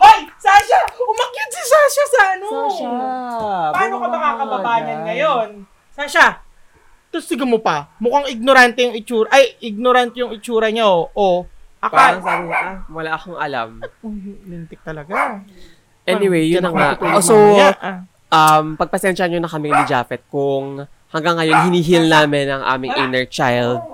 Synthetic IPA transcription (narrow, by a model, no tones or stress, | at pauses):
ʔajsaʃaʊmɐkɪt̪sɪsaʃasɐʔɐno | paːnokɐmɐkakɐbɐbaːjɐnɡɐjon | saʃa | t̪ʊsɪɡomopɐmʊkaŋɪɡ̚noɾant̪ɛjʊŋɪt͡ʃuːɾɐʔɐjʔɪɡ̚noɾant̪jʊŋɪt͡ʃuːɾɐɲaoʔoʔɐkpasɐɡuawɐlaːʔɐkoŋʔɐla̰m | lɪnt̪ɪk̚t̪ɐlɐɡa | ʔɛnɪwejːʊnːɐŋat̪ːosow | ʔɐmpɐɡ̚pɐsɛnʃɐɲonɐkɐmɪŋnɪd͡ʒa̰ːfɛt̪̚kʊŋ | hɐŋɡaŋːɐjonɦɪniːɦilnaːmɪnɐŋʔa̰ːmɪŋʔɪnɛɹt͡ʃa̰jld̪̚